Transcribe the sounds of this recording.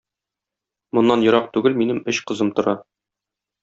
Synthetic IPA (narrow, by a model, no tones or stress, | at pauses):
mŏnːɑnjŏɾɑqt̪ʉɡɘlminɘmɵɕqɤ̆zɤmt̪ŏɾɑ